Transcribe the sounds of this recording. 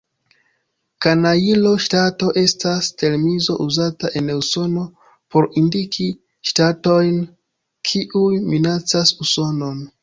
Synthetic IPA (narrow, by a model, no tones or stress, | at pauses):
kanailo̞ʃtato̞ʔe̞staste̞ɾmizo̞̰ʔuzataʔe̞newso̞no̞ | po̞ɾindikʰi | ʃtato̞jn | kʰiʔujminat͡sasuso̞no̞n